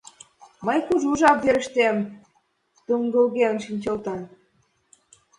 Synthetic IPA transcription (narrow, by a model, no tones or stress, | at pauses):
mɤjkuʒuʒɑp̚veɾə̆ʃt̪em | t̪uŋɡə̆lɣeənʃinʲt͡ɕɤ̆lt̪ɑ